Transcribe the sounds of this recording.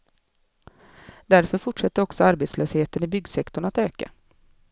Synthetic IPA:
d̪æɾfœɾfʊʈʂɛt̪ːəɾɔksɔaɾbeːt̪sløːsheːt̪ənɪbʏɡsɛkt̪ʊɳat̪øːka̰

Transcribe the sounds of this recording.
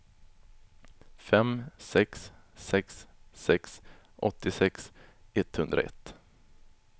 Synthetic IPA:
fɛmsɛkssɛksːɛksʔɔt̪ːɪsɛksɛt̪ːhɵnd̪ɾa̰ɛ̰t̪ː

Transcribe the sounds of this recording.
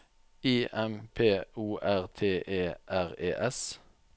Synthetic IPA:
iːʔɛmpʰeːuːʔæʁt̪ʰeːʔeːʔæʁḛːʔɛs

